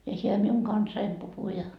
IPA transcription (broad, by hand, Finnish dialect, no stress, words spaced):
jɑ siel miuŋ kɑnsɑim puhu jɑ